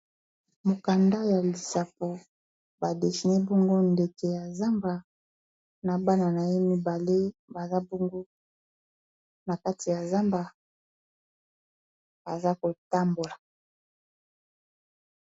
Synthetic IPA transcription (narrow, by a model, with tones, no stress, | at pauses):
mo˨ka˨nda˦ja˨li˨sa˨p̚o˨ | ba˨de˨ʃi˨nɛ˦bɔ˦ŋɡo˦nde˨ke˨ja˨za˦mba˨ | na˨ba˦na˨na˨je˦mi˦ba˨le˦ba˨za˦bɔ˦ŋɡo˦ | na˨ka˦ti˨ja˨za˦mba˨ | ba˨za˦ko˨ta˦mbo˨la˨